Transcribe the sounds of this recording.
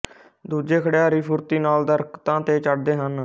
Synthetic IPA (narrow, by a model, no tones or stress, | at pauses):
d̪uːd͡ʒeːkʰəɽeaːɾiːpʰʊɾt̪iːnaːld̪əɾkt̪ãːt̪eːt͡ʃəɽd̪eːɦən